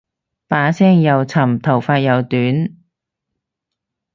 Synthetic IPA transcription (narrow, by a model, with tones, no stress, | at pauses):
paː˨˥sɛː˥ŋjɐ˨˧wt͡sʰɐ˨˩mt̪ʰɐ˨˩wfaː˧t̚jɐ˨˧wt̪yː˨˥n